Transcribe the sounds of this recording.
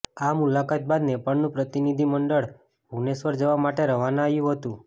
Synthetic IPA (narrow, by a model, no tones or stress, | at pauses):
amulakat̪̚bad̪nepaɭnũpɾət̪inid̪ʱiməɳɖəɭ | ɦunesʋəɾd͡ʒəʋamaʈeɾəʋanaajũɦət̪ũ